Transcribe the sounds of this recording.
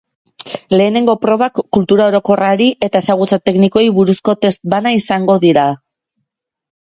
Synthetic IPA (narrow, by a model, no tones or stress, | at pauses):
le̞ːne̞ŋɡo̞pɾo̞βakːult̪uɾao̞ɾo̞ko̞raɾiʔe̞t̪ae̞saɣ̞ut͡sat̪e̞kniko̞jβuɾusko̞t̪e̞st̪̚banaisaŋɡo̞ðiɾa